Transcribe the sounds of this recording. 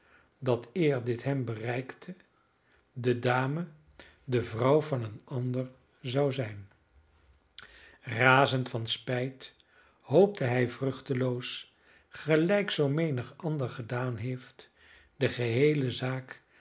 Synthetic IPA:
dɑtɪːɹdɪtɦɛmbərɛjktʰə | dədaːmə | dəvrʌwvɑnənɑndəɹ | zɑwzɛjn | raːzəntfɑnspɛjt | howp̚təɦɛjvrɵχtəlows | χəlɛjksowmejnəχʔɑndəɹχədaːnɦejft | dəχəɦejləzaːk

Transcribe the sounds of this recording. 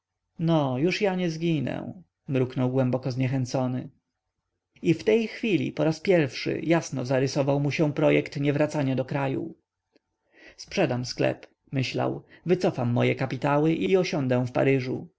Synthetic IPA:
nɔjuʂjaɲɛzɡʲinɛ̰̃ | mɾuknɔwɡwɛmbɔkɔzɲɛxɛnt̪sɔnɘ | ift̪ɛjxfʲilʲḭpɔɾaspʲjɛɾfʂɘ̰jasnɔzaɾɘsɔvawmuɕɛ̃pɾɔjɛkt̪ɲɛvɾat̪saɲad̪ɔkɾajṵ | spʂɛd̪amsklɛ̰p | mɘɕla̰wvɘt̪sɔfamːɔjɛkapʲit̪awɘʔiɔɕɔnd̪ɛ̃w̃fpa̰ɾɘʐṵ

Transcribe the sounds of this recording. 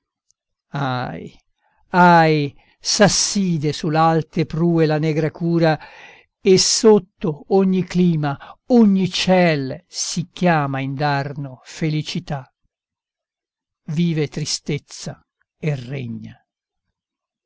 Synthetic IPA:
aj | aj | sasːiːd̪esulalt̪epɾuːelanɛːɡɾakuːɾa | esot̪ːooɲːikliːmaoɲːit͡ʃɛlsikjaːmaind̪arnofelit͡ʃit̪a | viːvet̪ɾist̪et̪sːa | erːḛɲːa

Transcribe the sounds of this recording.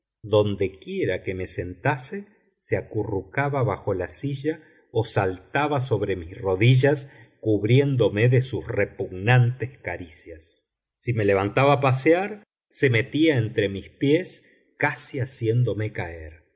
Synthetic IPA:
d̪o̞nd̪e̞kje̞ɾakeme̞se̞nt̪ase | seakurukaβaβaxo̞lasiʒa | osalt̪aβas̬o̞βɾe̞misro̞ðiʒas | kuβɾje̞nd̪o̞meðesusrepuɣnant̪eskaɾisjasː | ime̞le̞β̞ant̪aβapaseaɾ | se̞me̞t̪iaent̪ɾe̞mispjes | kasiasje̞nd̪o̞me̞kaeɾ

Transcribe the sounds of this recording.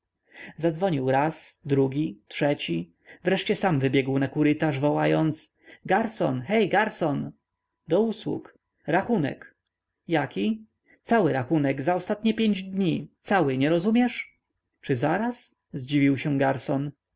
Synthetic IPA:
zad̪zvɔɲiwɾasd̪ɾuɡʲitʂɛt͡ɕi | vɾɛʂt͡ɕɛsamvɘbʲjɛɡwnakuɾɘt̪aʐvɔwajɔnt̪s | ɡaɾsɔ̰nxɛjɡaɾsɔn | d̪ɔuswṵk | ɾaxunɛ̰k | jakʲi | t̪sawɘɾaxunɛɡzaɔst̪at̪ɲɛpʲjeɲd͡ʑd̪ɲit̪sawɘɲɛɾɔzumʲjɛʂ | t͡ʂɘzaɾas | zd͡ʑivʲiwɕɛɡaɾsɔn

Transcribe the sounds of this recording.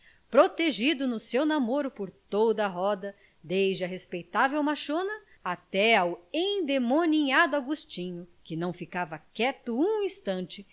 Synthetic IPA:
pɾot̪eʒid̪ʊnʊsewnamoɾʊpoɾt̪od̪ɐɦɔd̪ɐ | d̪ejd͡ʒɪɐɦespejt̪avewmaʃonɐ | at̪ɛawẽj̃d̪emoniad̪ʊaɡust͡ʃĩɲʊkɪnɐ̃w̃fikavɐkɛt̪ʊũĩst̪ɐ̃nt͡ʃɪ

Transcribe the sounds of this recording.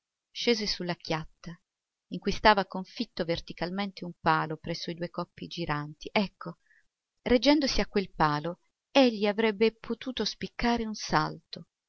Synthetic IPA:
ʃeːzesulːakjat̪ːa | iŋkujst̪aːvakoɱfit̪ːovert̪ikalment̪eumpaːlopɾɛsːoid̪uːekɔpːid͡ʒiɾant̪iʔɛkʰːo | red͡ʒːɛnd̪osiakːwelpaːlo | eʎːiavɾɛbːepʰot̪uːt̪ospikːaːɾeunsalt̪o

